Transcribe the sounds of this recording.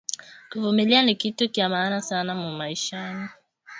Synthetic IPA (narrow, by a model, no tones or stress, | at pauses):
kuvumilianikitukiamaːnasanamumaiʃani